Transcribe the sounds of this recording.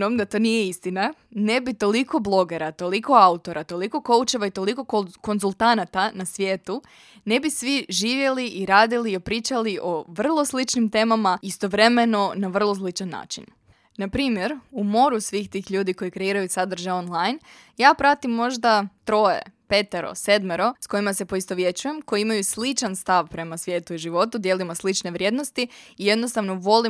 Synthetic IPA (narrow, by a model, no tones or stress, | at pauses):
omd̪at̪o̞ːnijeist̪inanebit̪o̞likʰo̞blˠo̞ɡe̞ɾat̪o̞liko̞aut̪o̞ɾat̪o̞liko̞ko̞ut͡ʃe̞ʋait̪o̞liko̞koko̞nzulˠt̪anat̪anasʋje̞ːt̪u | ne̞bisʋiʒiːʋje̞liʔiɾaːd̪ilio̞pɾiːt͡ʃaliʔo̞ʋr̩lˠo̞slit͡ʃnimt̪e̞ːmamaist̪o̞ʋɾe̞me̞no̞naʋr̩lˠo̞slit͡ʃanːa̰ːt͡ʃḭn | napɾiːmje̞ɾumo̞ɾusʋiːxt̪iːxʎuːd̪iko̞jikɾe̞iːɾajusad̪r̩ʒaonlˠajn | jaːpɾat̪imːo̞ʒd̪at̪ɾo̞ːje̞̰pe̞t̪eɾo̞̰se̞d̪meɾo̞sko̞jimase̞po̞ist̪oʋje̞t͡ɕuje̞mko̞jiimajuslit͡ʃanst̪aʋpɾe̞masʋje̞ːt̪uiʒiʋo̞t̪ud̪je̞limoslit͡ʃne̞ʋɾʲje̞d̪no̞st̪iije̞d̪nost̪aʋno̞ʋo̞li